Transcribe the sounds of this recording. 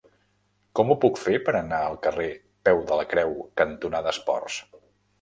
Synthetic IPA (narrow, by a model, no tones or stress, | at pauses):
kɔmupukfepəɾənaəlˠkəre | pɛwðələkɾɛwkənt̪unaðəspɔ̰rs